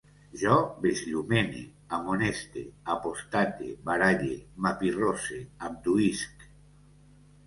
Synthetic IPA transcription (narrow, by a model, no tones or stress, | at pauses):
ʒɔbezʎumenḛ | amonest̪ḛapost̪at̪ḛβaɾaʎemapiroseamd̪uisk